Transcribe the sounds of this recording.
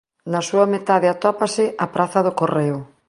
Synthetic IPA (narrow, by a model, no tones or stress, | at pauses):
nɐsuɐmet̪aðɪat̪ɔpasɪʔɐpɾʔaθɐðʊkoreʊ